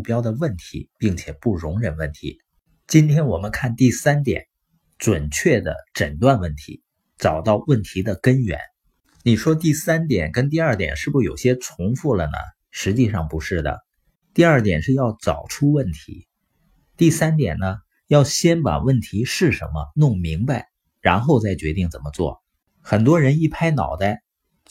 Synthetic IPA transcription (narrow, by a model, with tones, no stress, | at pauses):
u˥˩pjɑ˥ʊd̪ə˨wə˥˩nt̪ʰi˧˥pi˥˩ŋt͡ɕʰjɛ˨˩pu˥˩ɻʊ˧˥ŋɻə˨˩nwə˥˩nt̪ʰḭ˧˥ | t͡ɕi˥nt̪ʰjɛ˥nwɔ˨˩mə˦nkʰa˥˧nt̪i˥˩sa˥nt̪jɛ̰˨˩˦n | ʈ͡ʂwə˨˩nt͡ɕʰɥɛ˥˩d̪ə̰˩ʈ͡ʂə˨˩nt̪wa˥˧nwə˥˩nt̪ʰḭ˧˥ | t͡sɑ˨˩ʊt̪ɑ˥˧ʊwə˥˩nt̪ʰi˧˥d̪ə˧kə˥nɥɛ̰˧˥n | ni˨˩ʂwɔ˥t̪i˥˩sa˥nt̪jɛ˨˩nkə˥nt̪̬i˥˧ɐ˞˥˩t̪jɛ̰˨˩nʂɻ̩˥˩bu˧˩jo˨˩ʊɕjɛ˥ʈ͡ʂʰʊ˧˥ŋfu˥˩lə˩nə̰˩ | ʂɻ̩˧˥t͡ɕi˥˧ʂɑ˥˩ŋpu˧˥ʂɻ̩˥˩d̪ə̰˩ | t̪i˥˧ɐ˞˥˩t̪jɛ̰˨˩nʂɻ̩˥˧jɑ˥˩ʊt͡sɑ˨˩ʊʈ͡ʂʰu˥wə˥˩nt̪ʰḭ˧˥ | t̪i˥˩sa˥nt̪jɛ̰˨˩nnə˦ | jɑ˥˩ʊɕjɛ˥npa̰˨˩wə˥˩nt̪ʰi˧˥ʂɻ̩˥˩ʂə̰˧˥nmə̰˧nʊ˥˩ŋmi˧˥ŋba˧ɪ | ɻa̰˧˥nxo˥˧ʊt͡sa˥˩ɪt͡ɕɥɛ˧˥t̪i˥˩ŋt͡sə̰˨˩nmə˦t͡swɔ̰˥˩ | xə˨˩nt̪wɔ˥ɻə˧˥ni˥˩pʰa˥ɪnɑ˨˩ʊd̪ə˥